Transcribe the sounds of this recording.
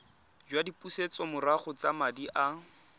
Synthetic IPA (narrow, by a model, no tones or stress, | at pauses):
d͡ʒwadipʼuset͡sɔmʊraχʊt͡samadiʔa